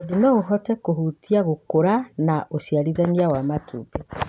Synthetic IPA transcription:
odinɔoɦɔtɛkohutiaɣokoɾanaʔoʃjaɾiðaniawamatʰṵpe

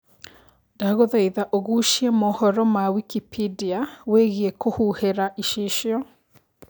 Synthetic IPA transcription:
daɣoðaiðaʔoɣuʃiemɔhɔɾɔmawikipidiaweɣiekohuheɾaʔiʃiʃjɔ

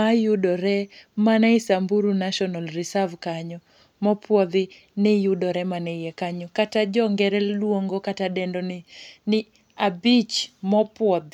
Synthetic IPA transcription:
ajudɔɾɛmanaisambuɾunaʃɔnalrisavkaɲɔ | mɔpwɔd̪ɪ | nɪjudɔɾɛmanɛijɛkaɲɔkatad͡ʒɔŋɡɛɾɛlwoŋɡɔkatadɛndɔnɪnɪ | abit͡ʃmɔpwɔd̪

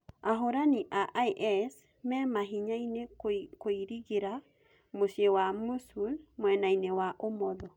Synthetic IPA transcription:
aɦoɾaniʔaʔiʔɛs | mɛmaɦiɲainekoiɾiɣeɾa | moʃjewamusulmwɛnainewaʔomɔðɔ

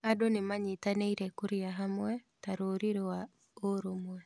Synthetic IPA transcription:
adonemaɲitaneiɾɛkuɾiaɦamwɛtaɾoɾiɾewa | oɾomwɛ

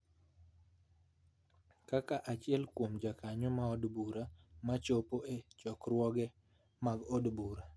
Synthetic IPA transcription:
kakaʔat͡ʃɪɛlkwomd͡ʒakaɲɔmaɔdbuɾamat͡ʃopoet͡ʃɔkɾwɔɡɛ | maɡɔdbuɾa

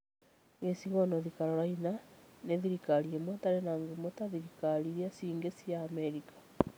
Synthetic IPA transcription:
ŋɡesiɣɔnɔðikaɾɔɾainaneðiɾikaɾiemwɔtaɾenaŋɡumotaðiɾikaɾiɾiasiːŋɡesiaːmɛɾikḁ

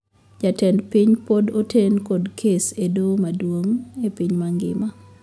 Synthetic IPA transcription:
d͡ʒatɛndpiɲpodotʰenkɔdkʰesedomadwoŋepiɲmaŋɡɪ̰ma

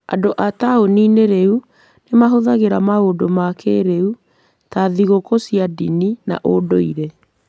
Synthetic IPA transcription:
a̰doʔataonineɾeu | nemaɦoðaɣeɾamaodomakeɾeu | taðiɣokosiadḭnina̰ʔodoiɾe

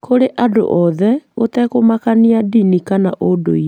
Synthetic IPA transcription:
kʰoɾeʔado̰ʔɔðɛotɛkomakaniadinikanaʔodo̰i

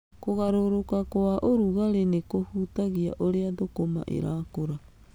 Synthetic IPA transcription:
koɣaɾoɾokakoaʔoɾuɣaɾenekohutaɣia̰ʔoɾeadokoma̰ʔḛɾaːkoɾa

